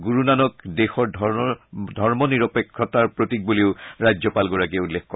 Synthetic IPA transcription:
ɡuɹunanɔkdexɔɹ | dʱɔɹmɔniɹɔpekʰːɔtaɹpɹotik̚buliʊɹajzɔpalɡɔɹak̬ɛulːekkɔ

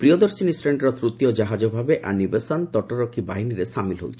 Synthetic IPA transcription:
pɾiod̪oɾsinisʈɾeɳɖɾɔt̪ɾut̪iod͡ʒaɦad͡ʒobʱabeʔanibesɔnt̪ɔʈoɾokʰːibaɦiniɾesamilɦo̰wt͡ʃʰi̥

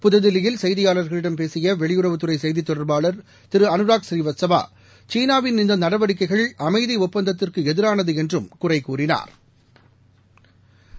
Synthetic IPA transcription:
pʊðɐðɪlɪjɪlsɐjðɪjaːlɐɾɣɐɭɪɽɐmpeːsɪjɐʋɛɭɪjʊɾɐʋɯt̪ːɯɾɐɪsɐjðit̪ːɔɽɐɾbaːɭɐɾ | t̪ɪɾɯɐnɯɾaːksɾiːʋɐt̪sɐba̰ː | t͡ʃiːnaːʋɪnnɪnd̪ɐnɐɽɐʋɐɽɪkːɐɪɣɐɭʔɐmɐɪðiʊpːɐnd̪ɐt̪ːɪrkɯɛðɪɾaːnɐðɯɛndrɯmkʊrɐɪkːuːrɪna̰ːɾ

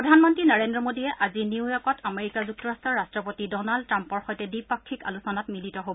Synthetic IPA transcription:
ɹɔdʱanmɔntɹinaɹendɹɔmodijɛʔaziniwjɔkɔtameɹikazuk̚tɔɹastɔɹːastɹɔpotidɔnaldtɹampɔɹxɔjtɛdipakʰːika̰lusɔnatmilitɔɦobɔ

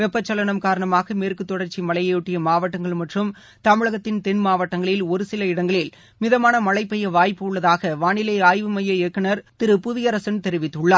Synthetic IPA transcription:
ʋɛpːɐt͡ʃːɐlɐɳɐmkaːɾɐɳɐmaːɣɐmeːɾkɯt̪ːɔɽɐɾt͡ʃːimɐlɐjɐjʊʈːɪjɐmaːʋɐʈːɐŋɡɐɭmɐʈrɯm | t̪ɐmɪɭɐɣɐt̪ːɪnt̪ɛnmaːʋɐʈːɐŋɡɐɭɪlɔɾɯsɪlɐɪɽɐŋɡɐɭɪl | mɪðɐmaːnɐmɐlɐɪpːɛjɐʋaːjpːɯɯɭːɐðaːɣɐʋaːnɪlɐɪaːjʋɯmɐjːɐɛkːɐnɐɾt̪ɪɾɯpʊðɪjɐɾɐsɐnt̪ɛɾɪʋɪt̪ːɯɭːaː

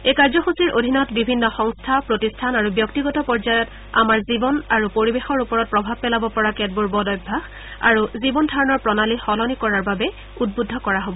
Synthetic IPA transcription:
ekaɹzɔxusiɹʔodʱinɔtbibʱinːɔxɔŋstʰapɹotistʰanaɹubjɔktiɡɔtɔpɔɹzajɔt | a̰maɹzibɔnaɹupoɹibexɔɹupɔɹɔt̚pɹɔbʱab̚pɛlabɔpɔɹakɛt̚buɹbɔdɔjbʱax | a̰ɹuzibɔndʱaɹɔnɔɹpɹɔnalixɔlɔnikɔɹaɹbabɛ | ud̚budʱɔkɔɹaɦobɔ

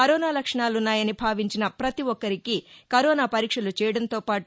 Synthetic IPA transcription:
ɐɾɔːnaːlɐkʂɐɳaːlunːaːjɐnibʱaːʋiɲt͡ʃinɐpɾɐt̪iʋɔkːɐɾikikɐɾɔːnaːpɐɾiːkʂɐlut͡ʃɛːjɐɽɐnt̪o̞ːpaːʈ

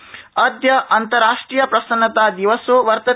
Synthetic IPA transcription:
ɐd̪jɐʔɐnt̪ɐɾaːʂʈɾijɐpɾɐsɐnːɐt̪aːd̪iʋɐsuʋɐɾt̪ɐ

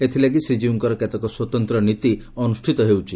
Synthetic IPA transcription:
et̪ʰilakisɾid͡ʒiuŋkɔɾɔket̪ɔkɔswɔt̪ɔnt̪ɾɔnit̪iɔnusʈʰit̪ɔɦewt͡ʃʰi

